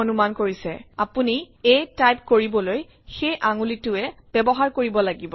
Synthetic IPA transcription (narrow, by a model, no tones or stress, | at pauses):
onumankoɹisɛ̰apuni | ejtajp̚koɹibɔloj | xejʔaŋulitʊɛb̥ɛbɔɦaɹkoɹibɔlaɡibɔ